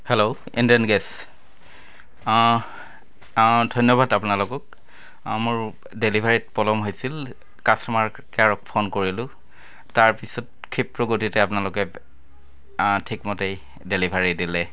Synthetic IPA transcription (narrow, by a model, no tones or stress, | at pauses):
hɛlo | ḭndiɔnɡɛs | dʱɔjnjɔbadapʊnalʊkɔk | moɹ | delibʱaɹit̚pɔlɔmɦojsil | kasɔmaɹ | kɛaɹɔk̚pʰonkoɹilʊ̃ | taɹpisɔt̚ | kʰipɹɔɡotitɛapʊnalʊkɛ | tʰikmɔtej | delibʱaɹidilɛ